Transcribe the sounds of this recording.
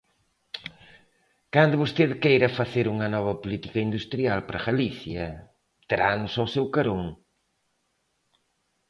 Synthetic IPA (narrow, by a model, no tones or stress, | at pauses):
kand̪ʊβost̪eðkejɾɐfɐθeɾuŋɐnɔβɐpolit̪ikɐind̪ust̪ɾialpɾɐɣaliθjɐ | t̪ɾanʊsawsewkɐɾoŋ